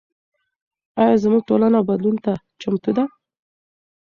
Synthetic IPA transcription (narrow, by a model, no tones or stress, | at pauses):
ɑjɑzəmuɡ̚ʈolanawbad̪lunt̪at͡ʃamt̪ud̪a